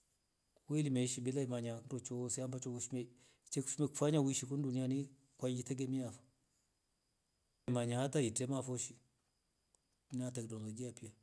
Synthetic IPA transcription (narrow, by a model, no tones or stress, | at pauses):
weilimeʃibilaimaɲanɾot͡ʃosiambat͡ʃouʃime | t͡ʃekfmekfaɲawiʃikunduniani | kwad͡ʒitaɡemijafḁ | maɲahataitemafoʃi | natɛknolod͡ʒiapija